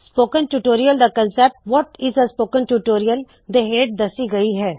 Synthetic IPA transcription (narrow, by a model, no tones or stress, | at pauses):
spoːkə̃nʈuːʈoːɾijəld̪əkə̃nsɛp̚ʈʋɔʈɪzəspoːkə̃nʈuːʈoːɾijəl | d̪eɦeːɖ̚d̪ɐsiɡɐiɦɛː